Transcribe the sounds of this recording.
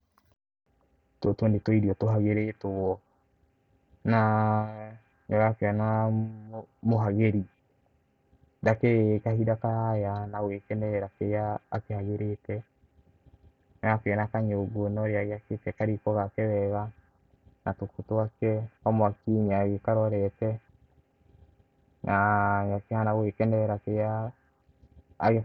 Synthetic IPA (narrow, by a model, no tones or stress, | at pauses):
ttwondetwiɾiɔtoɦaɣeɾetoɔ | na | ɲɔɾakeana | moɦaɣeɾi | dakekahidakaajanawekɛnɛɾakejaːkehaɣeɾetɛ | naakɛnakaɲeoɡonɔɾeaɣeaketɛkaɾikɔɣakɛβɛɣa | natokotoakɛkamwakiɲaaɣekaɾɔɾɛtɛ | nʔaŋakehanawekɛnɛɾakeja | ɣe